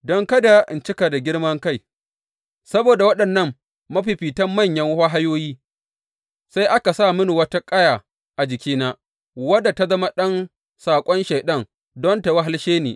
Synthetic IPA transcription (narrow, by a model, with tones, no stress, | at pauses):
dɔ˦ŋkɐ˦da˨ʔɪ̰˨nt͡ʃɪ˦ka˨da˨ɡʲɪ˦ɽmɐ˦ŋka˦˨j | sɐ˦boː˨da˨wɐ˦ɗɐ˨nːɐ˦˨mː | ɐ˦ɸi˨ɸiː˨tɐ˦mːɐ˦˨ɲjɐ˦ŋ˦ha˦ɦa˦joː˦jiː˦ | sa˦jʔa˦ka˨saː˦˨mʊ˦nu˨wɐ˦ta˦kʼɐ˦jaː˨ | ʔa˨d͡ʒɪ˨kʲiː˦naː˦ | wɐ˦da˨ta˦zɐ˦ma˦ɗɐ˦n | saː˨kʷʼɔ˦nʃeː˨ɗɐ˦ŋ | dɔ˦nta˨wa˦ɦa˦lʃeː˦nḛː˨